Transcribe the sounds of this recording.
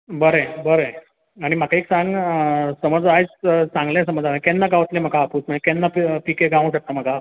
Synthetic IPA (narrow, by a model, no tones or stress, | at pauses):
bəɾebəɾe | aɽ̃im̤akaeksãŋɡsəməd͡zajt͡ssãŋɡlẽsəməd͡zaɦkɛnːaɡaʋət̪lẽm̤akaːpuːt͡sməekɛnːapikeɡaʋũɕək̚t̪əm̤aka